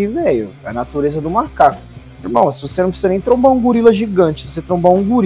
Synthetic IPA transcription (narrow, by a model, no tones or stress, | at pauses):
imejʊɛɐ̰nat̪uɾezɐd̪ʊmaɾkakʊ | iɾmɐ̃w̃svosenɐ̃w̃psisɛnẽj̃t̪ɾõmbaũɡuɾilɐʒiɡɐ̃nt͡ʃɪ̥svos̬et̪ɾõbaũɡuɾ